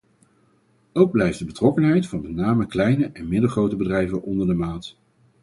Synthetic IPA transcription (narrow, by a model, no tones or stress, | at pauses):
owɡ̚blɛjfdəbətrɔkənɦɛjtfɑnbənaːməklɛjnəʔɛnmɪdəlˠχrowtəbədrɛjvənʔɔndəɹdəmaːt